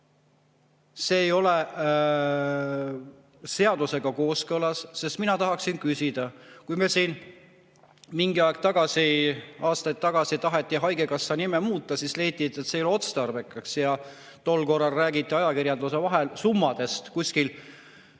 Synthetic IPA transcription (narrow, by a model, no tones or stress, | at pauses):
se̞ːjo̞le | se̞ɑd̪use̞ɡ̥ɑko̞ːskɤlɑsːe̞st̪minɑt̪ɑɦɑksinkysʲid̪̥ɑkujmesiːn | miŋɡ̥iɑekt̪ɑɡ̥ɑsiʔɑːst̪ɑjt̪̚t̪ːɑɡ̥ɑsit̪ɑɦe̞t̪ˑːiɦɑjɡ̥e̞kɑsːɑnimemuːt̪ːˑɑsisleht̪ːˑit̪ːˑet̪sejolo̞t̪st̪ɑrvekːˑɑksjɑ | t̪o̞lːko̞rːɑlræːɡ̥it̪ːˑiɑjɑkiɾjɑnd̪̥usevɑɦelsumːɑd̪e̞st̪kusʲkil